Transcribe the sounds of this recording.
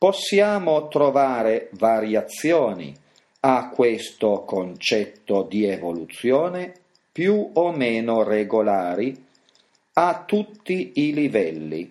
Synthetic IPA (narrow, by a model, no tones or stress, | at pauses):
posːjaːmot̪ɾovaːɾevaɾjat̪sːjɔːnḭ | akːwest̪okont͡ʃɛt̪ːod̪ievolut̪sjɔːne | pjuomeːnoreɡolaːɾi | at̪ːut̪ːiilivɛlːḭ